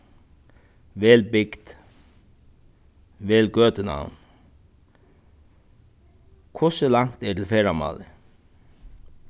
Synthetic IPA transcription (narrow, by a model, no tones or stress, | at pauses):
ʋɛːlbɪkt̪ | ʋɛːlɡœːt̪ɪna̰wn | kʰʊsɪlaŋ̥t̪ɛʈʰɪlfɛːɾama̰ːlɪ